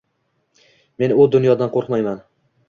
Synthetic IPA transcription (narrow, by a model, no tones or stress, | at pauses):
me̞nʊd̪ʊnjɒd̪anqʰoɾqmajman